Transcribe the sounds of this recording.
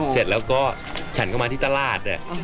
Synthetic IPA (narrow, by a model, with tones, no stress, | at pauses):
se˨˩t̪̚lɛː˦˥wkɔː˥˩ | t͡ɕʰa˦˥nkɔː˥˩maː˧t̪iː˥˩t̪a˧laː˥˩t̪̚a˨˩